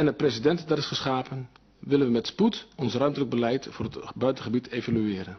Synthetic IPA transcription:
ɛnəpresidɛntdaɾɪsχəsχaːpən | ʋɪlənʋəmɛtsputɔnsrœɥmtələɡ̚bəlɛjtfʊːrətbœɥtəχəbitʰejvalyɪːɾən

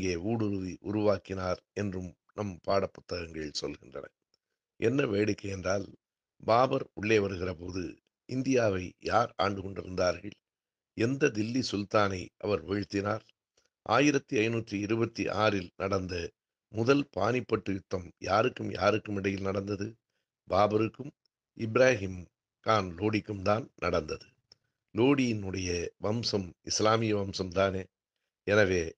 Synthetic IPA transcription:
ŋɡeːuːɽʊɾɯʋiʔʊɾʊʋaːkɪnaːɾɛndrɯm | nɐmpaːɽɐpːʊ̥t̪ːɐɣɐŋɡɐɭɪlsɔlɣɪndrɐ̰nɐ̰ | ʔɛnːɐʋeːɽɪkːɐjɛndraːl | baːbɐɾʊɭːeːʋɐɾɯɣɪrɐpoːðɯ̰ | ʔɪnd̪ɪjaːʋɐɪjaːɾa̰ːɳɖɯkɔɳɖɪɾɯnd̪aːɾɣɐɭ | ɛnd̪ɐd̪ɪlːisʊlt̪aːnɐɪʔɐ̰ʋɐɾʋɛɻɯt̪ːɪnaːɾ | ʔa̰ːjɪɾɐt̪ːiɐɪnuːʈrɯɪɾɯbɐt̪ːiʔaːɾɪlnɐɽɐnd̪ɐ | mʊðɐlpa̰ːnɪpːɐʈːɯɪt̪ːɐmjaːɾɯkːɯmja̰ːɾɯkːɯmɪɽɐjɪlnɐɽɐnd̪ɐðɯ | baːbɐɾɯkːɯm | ɪbɾaːɦim | kaːnloːɽɪkːɯmt̪aːnnɐ̰ɽɐnd̪ɐðɯ | loːɽɪjɪnɯɽɐjɐʋɐmsɐmɪslaːmɪjɐʋɐmsɐmt̪aːneː | ɛnɐʋeː

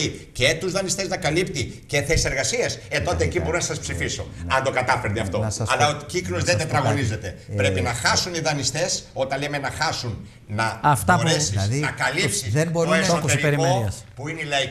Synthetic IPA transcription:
ice̞t̪uzðɐnist̪e̞znɐkɐlipt̪ice̞θesise̞ɾɣɐsiɐset̪o̞t̪eːcibo̞ɾonɐsɐspsifiso̞ɐnd̪o̞kɐt̪ɐfeɾd̪eɐft̪o̞ɐlɐociklozðed̪et̪ɾɐɣo̞nize̞t̪e̞ɾe̞pinɐxɐsuniðɐnist̪e̞so̞t̪ɐnlemenɐxɐsun | nɐftb̪ɐoɾesisnɐkɐlipsiseboɾoessoeɾieɾikeopuineilɐi

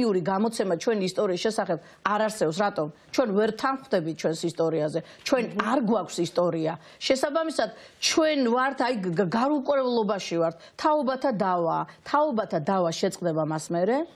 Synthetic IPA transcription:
iuɾiɡamɔt̪sʰɛmat͡ʃʰwɛniːst̪ʼɔɾiːsʃɛsaχɛb̚ | aɾaɾsɛɔs̬ɾat̪ʼɔmt͡ʃʰwɛnvɛɾt̪ʰanχd̪ɛbit̪̚ʰt͡ʃʰwɛnsist̪ʼɔɾiazɛ | t͡ʃʰwɛnaɾɡwakʷʰsist̪ʼɔɾia | ʃɛsabamisad̪̥ | t͡ʃʰwɛnvaɾt̪ʰajɡaɾukʼwɾɛvlˠɔbaʃivaɾt̪ʰt̪ʰːaɔbat̪ʰad̪avaːt̪ʰaɔbat̪ʰad̪avaʃɛt̪sqʼd̪ɛbamasmɛɾɛ

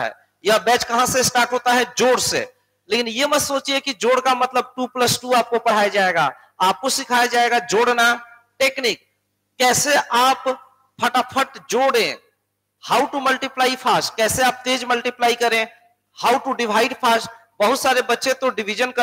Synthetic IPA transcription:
ɦɛ̰ː | jabɛːt͡ʃkɐɦãsesʈaːɾʈɦoːt̪aɦɛd͡ʒoːɽsḛ | leːkɪnjemɛsoːt͡ʃiekid͡ʒoːɽkamɐt̪ləb̚ʈuːpləsʈuaːp̚kopɐɽ̤aːjad͡ʒaːeɡa̰ː | aːp̚kosɪkʰaːjad͡ʒaːeɡad͡ʒoːɽna | ʈeːkniːk̚ː | ɛːseʔaːp | pʰəʈapʰəʈd͡ʒoːɽẽ | haːʊʈuməlʈiplaːipʰaːsʈkɛːseaːp̚t̪eːd͡ʒməlʈiplaːikɐɾẽ | haːʊʈuɖɪʋaːɪɖpʰaːsʈ | bəɦʊt̪saːɾebɐtːʃẽt̪oɖɪʋid͡ʒənkɐ

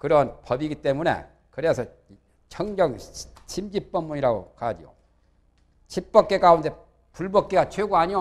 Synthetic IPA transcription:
kɯɾʌnpʌbiɡit͈e̞mune̞̰ | kɯɾe̞sʰʌ | t͡ɕʰʌŋɡjʌŋɕʰimd͡ʑip͈̚ʌmːuɲiɾaɡo̰kad͡ʑijo̰ | t͡ɕʰip̚p͈ʌk̚k͈e̞kaunde̞ | puɭbʌk͈eɡat͡ɕʰweɡuaɲio

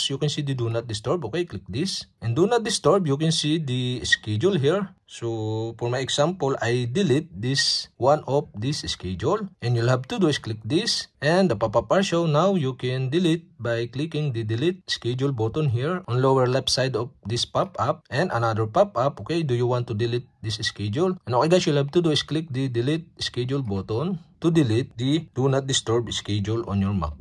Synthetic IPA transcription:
sjukɛ̃nsid̪id̪unat̪̚d̪ɪst̪ɔɹbʔokejklɪk̚d̪isʔɛ̃nd̪unat̪̚d̪ɪst̪ɔɹbjukɛ̃nsid̪iɛskɛd͡ʒulɦiɹsofɔɹmajɛksampɔlajd̪ɪlit̪̚d̪iswãnʔɔf̚d̪isɛskɛd͡ʒʊlʔɛ̃njulhabt̪ud̪uɪsklɪk̚d̪isʔɛ̃nd̪ɐpapapaɹʃownawjukɛ̃nd̪ɪlit̪̚bajklikɪ̃ŋd̪id̪ɪlit̪̚ɪskɛd͡ʒulboːt̪ɔnɦiɹʔɔ̃nlowɛɹlɛpsajd̪ɔfd̪ɪspapap̚ʔɛ̃nd̪ɐnad̪əɹpapap̚ʔokejd̪ujuwãnt̪ːud̪ɪlit̪̚d̪isɪskɛd͡ʒulʔɛnokɛɡasjʊlhab̚t̪ud̪uɪsklik̚d̪id̪ɪlit̪̚ɪskɛd͡ʒulboːt̪ɔnt̪ud̪ɪlit̪̚d̪id̪̥unat̪̚d̪ɪst̪ɛɹbɪskɛd͡ʒulɔ̃njɔɹma̰k̚

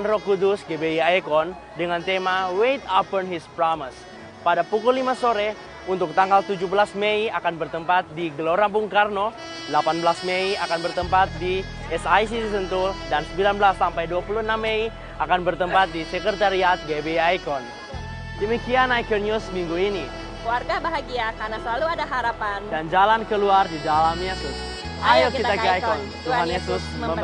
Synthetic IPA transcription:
nrɔkudusɡebeiajkɔn | dəŋant̪emawejt̪apɔnɦispɾɔməs | padapukulːimasoɾɛ | unt̪ʊk̚t̪aŋɡalt̪ud͡ʒuhbəlasmeiakanbərt̪əmpat̪̚diɡəloɾabuŋkarno | dlapanbəlasmeiakanbərt̪əmpat̪̚di | ɛsajsit̪isənt̪udansəmbilanbəlasːampajduapuluhənamːei | akanbərt̪əmpat̪̚disəkərt̪aɾiat̪̚ɡebeajkɔn | dəmikianajkərnusmiŋɡuini | kluarɡabaɦaɡiakarnasəlaluadaɦaɾapandand͡ʒalankəluardidalamɲasʊs | ʔajokit̪akajkkɔn | t̪uɦanjesʊsmmə

